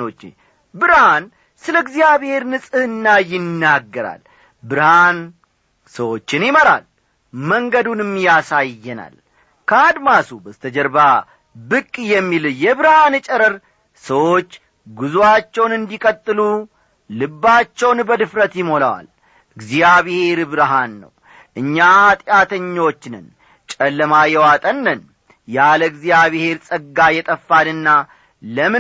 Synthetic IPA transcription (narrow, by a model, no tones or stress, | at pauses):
o̞t͡ʃːḛ | bɨɾhan | sɨləɨɡzijaβhe̞ɾnɨsʼɨhɨnːajɪnːaɡːəɾa̰l | bɨɾhan | səwo̞t͡ʃːɪnjɪməɾa̰l | məŋɡəd̪unɨmːjasajːɛna̰l | kʰəad̪masubəzt̪ʰəd͡ʒəɾba | bɨkʼːjɛmːiljɛβɨɾhanɨt͡ʃʼɛɾəɾ | səwo̞t͡ʃː | ɡuzuwat͡ʃːɛwnɨnd̪ikʼət̪ʼːɨlu | lɨbːat͡ʃːɛwnbəd̪ɨfɾət̪jɪmo̞lawa̰l | ɨɡzijaβihe̞ɾɨbɾəɦanːə̰w | ʔɨɲːaat̪ʼjat̪ʰəɲːo̞t͡ʃːnɨn | t͡ʃʼɛlːəmajɛwat̪ʼənːən | jaləɨɡzijaβhe̞ɾsʼəɡːajɛt̪ʼəfːanɨnːa | ləmɨ